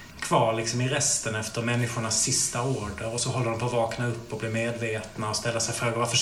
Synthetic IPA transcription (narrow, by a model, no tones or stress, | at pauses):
kʰv̥ɑːɾɭɪksɔmɪɾɛst̪ənɛft̪əɾmɛnːɪɧʊɳasːɪst̪aoːɖəɾɔsɔɦɔlːədɔmpʰɔvɑːknaɵpːɔblɪmeːd̪veːt̪naɔst̪ɛlːəsɛjfɾoːɡaɾvafœʂ